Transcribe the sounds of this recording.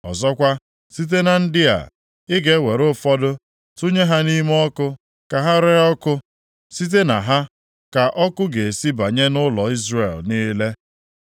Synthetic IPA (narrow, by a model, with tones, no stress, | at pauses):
ɔ˨zɔ˦kʷa˦ | si˦t̬e˦na˨n̩˦dɪ˦a̰˨ | ɪ˦ɡe˦we˨ɾʊ˦fɔ˦dʊ˦ | tu˦ɲe˦ɦa˦ni˦m˦ɔ˦kʊ˦ | ka˨ɦa˦ɾe˦ɔ˦kʊ˦ | si˦t̬e˦na˨ɦa˦ | ka˨ʔɔ˦kʊ˦ɡe˨si˦ba˨ɲe˦nʊ˦lɔ˨i˦zre˨lniː˦le˦